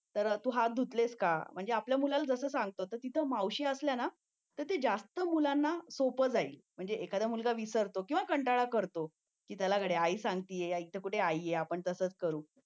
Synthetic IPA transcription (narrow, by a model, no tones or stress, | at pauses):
t̪əɾt̪uɦad̪ʱut̪leskam̤əɳd͡zeapljamulalad͡zəsəːsãŋɡ̚t̪ot̪əɾt̪it̪ʰəmawɕiəsljana | t̪əɾt̪ed͡zast̪əmulanːasopəd͡zaiːm̤əɳd͡zeʔekad̪amulɡaʋisəɾt̪okĩw̃ʋakəɳʈaɭakəɾt̪o | kiːt̪jalakəɽeaisãŋɡt̪ijejaik̚t̪ʰəkuʈʰeaijeapəɳt̪əsəːt͡skəɾuː